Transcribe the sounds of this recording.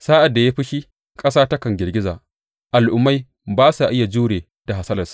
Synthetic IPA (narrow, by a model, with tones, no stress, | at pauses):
saː˦ʔa˨dːa˨jaː˦ɸɪ˦ʃi˦ | kʼɐ˦saː˦ta˦kɐ˨ŋɡʲɪ˨rɡʲɪ˦zaː˨ | ʔa˨lʔʊ˨mːa˦j | baː˦sa˨ʔɪ˦ja˨d͡ʒuː˦ɽeː˨ | d̥a˨ɦa˨sɐ˦lɐ˨sḁ˨˦